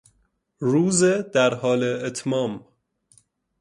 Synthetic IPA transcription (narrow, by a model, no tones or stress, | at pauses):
ɾuːzed̪æɾɦɒːleːt̪ʰmɒːm